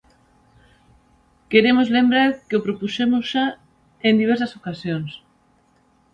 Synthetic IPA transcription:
keɾemozlembɾaɾkeopɾopusemozʃa | end̪iβ̞ɛɾsɐsokasjoŋs

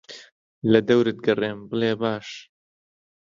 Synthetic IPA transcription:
lɐd̪ɐwɾɨt̪̚ɡɐreːmbɨleːbaːʃ

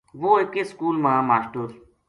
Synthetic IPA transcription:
ʋoːekeskuːlmãːmaːsʈəɾ

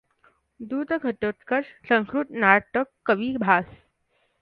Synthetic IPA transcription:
d̪uːd̪ɡʱəʈoʈ̪kəʂsə̃ŋkɾut̪naʈəkːəʋiːbʱas

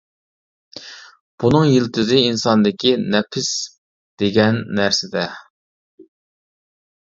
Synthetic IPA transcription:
b̥unɨŋjilt̪ʰɪzɪinsɑnd̪ɪkʲinɛpʰɪs | d̪̥eɡʲɛnːæɾsɪd̪ɛ

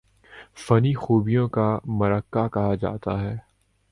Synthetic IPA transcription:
fɐnixuːbijõkamɐɾəkːakɐɦad͡ʒa̰ːt̪aɦɛː

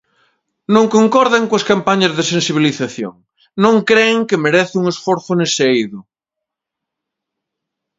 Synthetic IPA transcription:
nõŋkoŋkɔɾðɐŋkoɐskampaɲɐzðesẽnsiβ̞iliθaθjo̰ŋ | nõŋkɾeŋkɪmeɾɛθɪuŋesfoɾθʊnesejðʊ

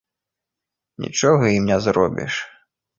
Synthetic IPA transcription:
nʲḭt͡ʂɔɣɐimnʲɛzrɔbʲḭʂ

